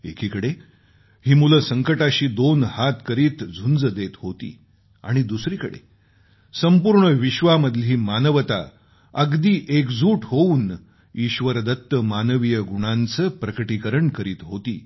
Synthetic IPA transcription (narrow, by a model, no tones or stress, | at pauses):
ḛkʰikəɽe | ɦiːmuləsəŋkəʈaɕiːd̪onhat̪kəɾiːt̪d͡zʱund͡zəd̪et̪ɦot̪ḭː | a̰ɽ̃id̪usɾiːkəɽḛ | səmpuːɾɳəʋiɕʋaməd̪ʱliːmanəʋt̪a̰ | əɡd̪iːʔekd͡zʱuːʈɦouːn | iɕʋəɾd̪ət̪ːəmanəʋijəɡuɽ̃ant͡səːpɾəkəʈikəɾəɳkəɾiːt̪ɦot̪ḭː